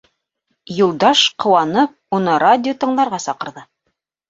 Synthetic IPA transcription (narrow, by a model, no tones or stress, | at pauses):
julˠd̪ɑʃqʰŏwɑnɤp̚unɤɾadʲɪot̪ɤ̆ɴlˠɑɾʁɑsɑqɤ̆ɾðɤ